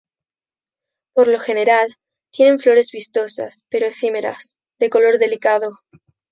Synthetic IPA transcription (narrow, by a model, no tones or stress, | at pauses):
po̞ɾlo̞xe̞ne̞ɾal | t̪je̞ne̞ɱflo̞ɾe̞zβist̪o̞sa̰spe̞ɾoeθime̞ɾa̰s | ðe̞ko̞lo̞ɾðe̞likaðo